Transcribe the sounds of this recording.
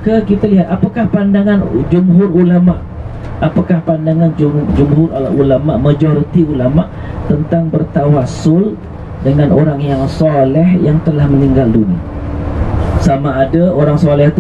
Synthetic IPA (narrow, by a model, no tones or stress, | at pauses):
kəkit̪aliɦat̪apakahpandaŋãnd͡ʒumɦʊrulamaʔ | apakahpandaŋand͡ʒud͡ʒumɦʊrulamaʔmad͡ʒoɾit̪iulamaʔ | t̪ənt̪aŋbərt̪awasʊl | dəŋanoɾaŋjaŋsɔlɛhjaŋt̪əlahmə̃niŋɡalduna | samaːdaoɾaŋsɔlɛht̪u